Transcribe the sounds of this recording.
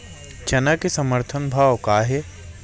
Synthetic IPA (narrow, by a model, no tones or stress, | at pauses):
t͡ʃɐnakesɐməɾt̪ʰənbʱaːwkaːɦe